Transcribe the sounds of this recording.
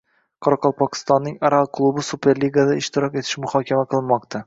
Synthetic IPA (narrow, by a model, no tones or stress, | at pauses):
qʰɒɾɒqɒlˠpʰɒkʲʰɪ̥st̪ɒnːɪŋaɾalˠkʰlˠubɪsupʰe̞ɾlʲiɡad̪aɪʃt̪ɪɾɒke̞t̪ʰɪ̥ʃmʊhɒkʲʰamaqʰɨlˠɪnmɒq̚t̪ʰa